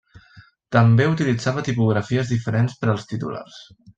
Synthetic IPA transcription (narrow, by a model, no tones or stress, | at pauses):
t̪əmbeut̪ilid͡zaβət̪ipuɣ̞ɾəfiəzðifəɾenspəɾəlˠst̪it̪ṵla̰rs